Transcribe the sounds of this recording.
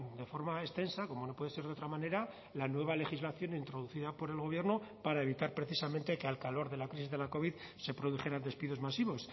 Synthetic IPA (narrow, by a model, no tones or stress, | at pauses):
d̪e̞fo̞ɾmae̞st̪e̞nsako̞mo̞no̞pweðe̞se̞ɾðot̪ɾamãne̞ɾa | lanwe̞β̞ale̞xizlaθjo̞neint̪ɾo̞ð̞uθiðapo̞ɾe̞lɣ̞o̞βje̞ɾnopaɾae̞β̞it̪aɾpɾe̞θisament̪ekealkalo̞ɾðe̞lakɾis̬izðe̞lako̞β̞ið | se̞pɾo̞ðuxe̞ɾand̪e̞spiðo̞zmasiβo̞s